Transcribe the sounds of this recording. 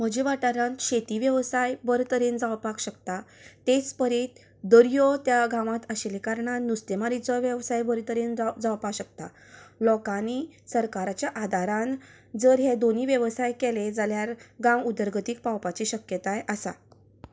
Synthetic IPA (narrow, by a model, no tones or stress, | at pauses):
m̤əd͡ʑiʋaʈaɾãnt̪ɕet̪iʋjəʋsajbəɾt̪əɾend͡zawpakɕəkt̪at̪et͡spəɾet̪ | d̪əɾjɔt̪jaɡãʋãt̪əɕelekaɾɳanust̪emaɾit͡sɔʋjəʋsajbəɾt̪əɾend͡zawpakɕək̚t̪a | lɔkanisəɾkaɾat͡ɕjaʔad̪ʱaɾãn | d͡zəɾɦed̪oniʋjəʋsajkeled͡zaljaɾɡãwud̪əɾɡʱət̪ik̚pawpat͡ɕiɕəkjət̪ajasa̰